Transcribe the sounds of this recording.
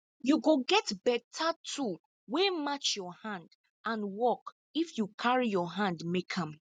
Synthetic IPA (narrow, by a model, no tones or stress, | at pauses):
juɡoɡɛtbɛtʰatʰu | wemat͡ʃjɔhãnd | ʔãnwɔk | ifjukʰaɹijɔɦãndmekʰãm